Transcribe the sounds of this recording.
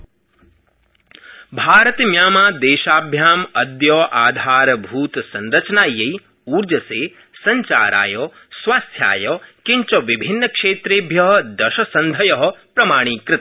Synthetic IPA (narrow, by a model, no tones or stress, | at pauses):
bʱaːɾət̪mjaːmaːd̪eːʃaːbʱjaːmɐd̪jɔːʔaːd̪ʱaːɾbʱuːt̪sɐnɾɐt͡ʃnaːjɐj | uːɾd͡ʒɐseː | sɐɲt͡ʃa̰ːɾa̰ːjɔː | sʋaːst̪ʰja̰ːjɔːkɪ̃ɲt͡ʃɐʋɪbʱɪnːəkʂeːt̪ɾeːbʱjɐɦɐd̪ɐʃɐsɐnd̪ʱɐjɐɦɐpɾɐmaːɽ̃iːkɾɪt̪